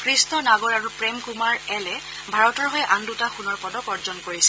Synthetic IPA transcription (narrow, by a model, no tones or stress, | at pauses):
kʰɹistɔnaɡɔɹaɹupɹemkumaɹɛlɛ | bʱaɹɔtɔɹɦɔjʔandutaxunɔɹpɔdɔkɔɹzɔnkoɹisɛ